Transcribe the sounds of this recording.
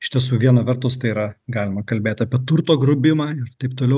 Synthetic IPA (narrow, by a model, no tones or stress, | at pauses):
ɪʃʲt̪ʲiɛs̬uːʋʲiɛnɐʋʲɛɾt̪ʊst̪ɐɪiːɾɐɡɑːlʲɪmɐkɐlʲbʲeːt̪ʲɐːpʲiɛt̪ʊɾt̪oːɡɾʊbʲɪmɑːɪrt̪ɐɪp̚t̪oːlʲɛʊ